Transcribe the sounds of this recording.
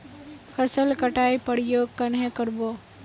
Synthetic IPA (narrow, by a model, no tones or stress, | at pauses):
pʰəsəlkəʈaːipəɽijoːɡkːənɦɛ̃kəɾboː